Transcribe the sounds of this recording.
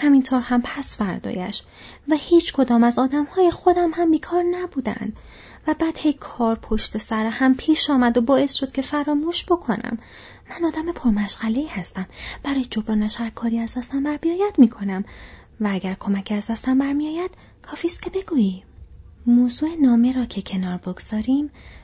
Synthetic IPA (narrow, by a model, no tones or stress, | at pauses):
hæmint̪ʰoːɾhæmpʰæsfæɾd̪ɒ̰ːjæʃ | væhiːt͡ʃʰkʰo̞d̪ɒːmæzɒːd̪æmhɒːjexo̞d̪æmhæmbiːkʰɒːɾnæbuːd̪æ̰nd̪̥ | væbæːd̪̥he̞jkʰɒːɾpʰoʃt̪e̞sæɾehæmpʰiːʃɒːmæd̪obɒːe̞sʃod̪̥̚cʲʰe̞fæɾɒːmuːʃb̥o̞kʰo̞nʔæ̰mː | ænɒːd̪æmepʰoɾmæʃɣ̥æle̞iːhæst̪æmb̥æɾɒːjed͡ʒobɾɒːnæʃhæɾkʰɒːɾiːæzd̪æst̪æmbæɾbijɒːjæd̪miːkʰo̞næm | vææɟæɾkʰo̞mæcʰiæzd̪æst̪æmbæɾmijɒːjæd̪̥ | kʰɒːfiːst̪̚kʰʲcʰe̞be̞ɡ̥uːiː | moːzuːenɒːmeɾɒːcʰe̞cʰe̞nɒːɾboɡz̥ɒːɾiːm